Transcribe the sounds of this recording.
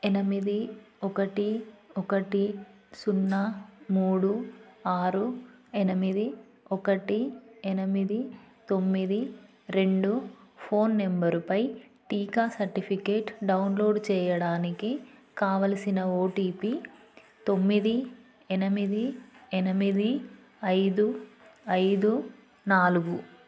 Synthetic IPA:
ɛnɐmid̪i | ɔkɐʈiɔkɐʈi | sunːɐmuːɽuaːɾuɛnɐmid̪i | ɔkɐʈiɛnɐmid̪it̪o̞mːid̪i | ɾe̞ɳɖupʰo̞ːnːembɐɾupɐj | ʈiːkaːsɐɾʈipʰikeːʈɖɐwnlo̞ːɖt͡ʃɛːjɐɽaːnikikaːʋɐlɐsinɐoːʈiːpi | t̪o̞mːid̪i | ɛnɐmid̪iɛnɐmid̪i | ɐjd̪uɐjd̪u | naːluɡu

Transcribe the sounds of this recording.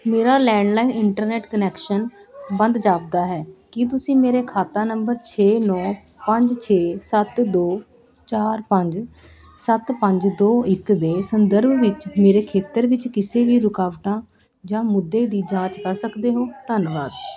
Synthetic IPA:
meːɾaːlɛːɳɖlaːinɪɳʈəɾnɛːʈkənɛːkʃənbə̃nd̪d͡ʒaːpd̪aːɦɛːkɪt̪̬ʊsĩːmeːɾeːkʰaːt̪ãːnəmbəɾt͡ʃʰeːnɔ̃ː | pəɲd͡ʒt͡ʃʰeːsət̪d̪oː | t͡ʃaːɾpəɲd͡ʒ | sət̪pəɲd͡ʒd̪oːɪkd̪eːsənd̪əɾbʋɪt͡ʃmeːɾeːkʰeːt̪əɾʋɪt͡ʃkɪseːʋiːɾʊkaːʋʈãː | d͡ʒãːmʊd̪ːeːd̪iːd͡ʒãːt͡ʃkəɾsəkd̪eːɦoːt̪ənʋaːd̪

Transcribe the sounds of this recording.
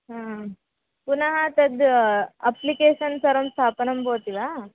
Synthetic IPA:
ɦãː | punɐɦɐt̪ɐd̪ɐplikeːʃɐnsɐɾɐmst̪ʰaːpɐnɐmboːt̪iʋaː

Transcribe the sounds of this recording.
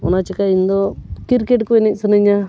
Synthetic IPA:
o̰nat͡ʃikaind̪okiɾkeʈkuenisɐnɐɲa

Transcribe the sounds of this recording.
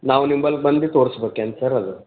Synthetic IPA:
nawnimbəlk̚bənd̪it̪oɾsbekːansəɾɐd̪ɨ

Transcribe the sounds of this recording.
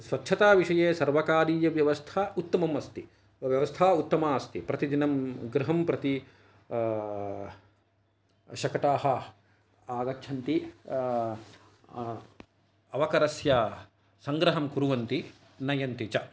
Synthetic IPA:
sʋɐtːʃʰɐt̪aːʋiʂɐjeːsɐɾʋɐkaːɾiːjɐʋjɐʋɐst̪ʰaːut̪ːɐmɐmɐst̪i | ʋjɐʋɐst̪ʰaːut̪ːɐmaːɐst̪ipɾɐt̪id̪inɐmɡɾɪɦɐmpɾɐt̪i | ʃɐkɐʈaːɦɐ | aːɡɐt͡ʃʰɐnt̪i | ɐʋɐkɐɾɐsjɐː | sɐŋɡɾɐɦɐmkuɾuʋɐnt̪i | nɐjɐnt̪it͡ʃɐ

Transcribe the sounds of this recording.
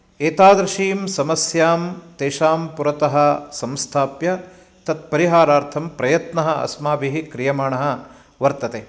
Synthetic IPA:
eːt̪aːd̪ɾiʃiːmsɐmɐsjaːmt̪eːʃaːmpuɾɐt̪ɐɦɐ̆sɐmst̪ʰaːpjɐ | t̪ɐt̪̚pɐɾiɦaːɾaːɾt̪ʰɐmpɾɐjɐt̪nɐɦɐʔɐ̰smaːbiɦikɾijɐmaːɳɐɦɐ̆ | ʋɐɾt̪ɐt̪eː

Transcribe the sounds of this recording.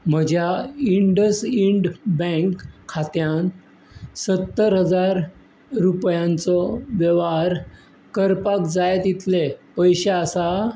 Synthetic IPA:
m̤əd͡ʑʱjaiɳɖəsiɳɖbɛ̃ŋkʰːat̪jãn | sət̪ːəɾɦəd͡zaɾː | upjãnt͡sɔʋjəʋaɾ | kəɾpakd͡zajet̪jit̪lepəjɕeasa

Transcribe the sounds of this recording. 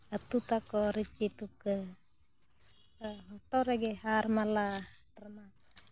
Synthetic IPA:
at̪ut̪akɔɾit͡ʃit̪ukə | ɦɔʈɔɾɛɡɛharmalaarmat̪̚a

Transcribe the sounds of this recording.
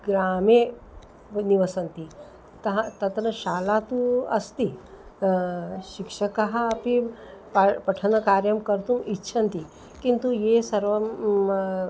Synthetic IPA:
ɡɾaːme | niʋɐsɐnt̪i | t̪ɐɦɐ̃t̪ɐt̪nɐʃaːlat̪uɐ̰st̪i | ʃikʂɐkɐɦɐɐpipɐpɐʈʰɐnɐkaːɾjɐmkɐɾt̪umitːʃʰɐnt̪i | kint̪ujesɐɾʋɐ

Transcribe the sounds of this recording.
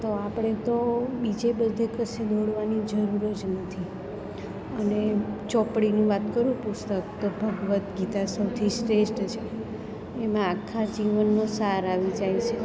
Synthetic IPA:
t̪oapɽ̃et̪obid͡ʒebəd̪ʱekəsed̪ʱoɽʋanid͡ʒəɾuɾəd͡ʒnət̪ʰi | ənet͡ʃɔpɽinĩʋat̪kəɾũpust̪ək̚t̪obʱəɡʋət̪ɡit̪asəwt̪ʰisʈesʈt͡ʃʰeː | mãːkʰːad͡ʒiʋənːosaɾaʋid͡ʒajt͡ʃʰe

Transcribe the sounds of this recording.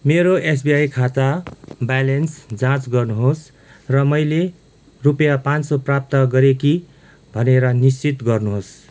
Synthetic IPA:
meɾoes̬biajkʰat͡sabalensd͡zãt͡sɡʌrnuɦos | rʌmʌjle | rupjapãnsoprap̚t̪ʌɡʌɾeki | bʱʌneɾʌnist͡sit̪ɡʌrnuɦos

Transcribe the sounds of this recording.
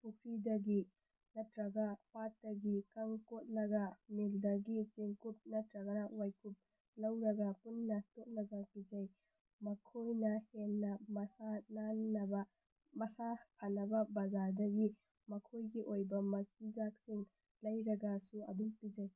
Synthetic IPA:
pʰukʰɾidɐɡi | nɐtɾɐɡapat̚dɐɡikɐŋkot̚lɐɡɐmeldɐɡit͡ʃeŋkup̚nɐtɾɐɡɐnawajkʰup̚ | lɐwɾɐɡɐpunːɐtot̚nɐɡɐpid͡ʒɐj | mɐkʰojnɐhenːɐmɐsananːɐbɐ | mɐsapʰanːɐbɐbad͡ʒaɾdɐɡi | mɐkʰojɡiʔojbɐmɐsind͡ʒak̚siŋ | lɐjɾɐɡɐsuɐ̰duŋpid͡ʒɐj

